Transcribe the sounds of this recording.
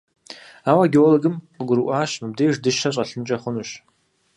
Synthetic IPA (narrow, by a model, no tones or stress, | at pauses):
aːwɐɡʲowloɡɨmqəɡʷʊɾɨʔʷaːɕmɨb̚deːjʒdɨʃɐɕ̬ʼɐɬɨnt͡ʃʼɐχʷʊnuːɕ